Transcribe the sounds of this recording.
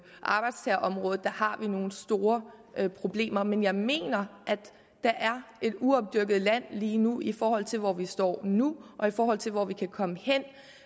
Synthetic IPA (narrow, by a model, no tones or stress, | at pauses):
ʔɑ̈b̥ɑ̈ɪd̥st͡sʰɛːɐʔɒ̽mʁɔ̽ːð̩ˠd̥ɑ̈hɑ̈ʋino̝ːn̩sd̥o̝ːɐ | pʰʁo̝b̥le̝̰ːmɐmenjɑ̈ɪme̝̰ːnɐʔæd̥ | d̥ɑ̈ʔæɐe̝d̥uɒ̽b̥̚d̥yɐɡ̥əð̞̩ˠlæn̰liːnuifɒːhɒ̽l̰t͡sʰe̝lʋɒʋisd̥ɒ̰ːnuʔɒ̽ifɒːhɒ̽l̰t͡sʰe̝lʋɒʋikʰækʰɒ̽məhen̰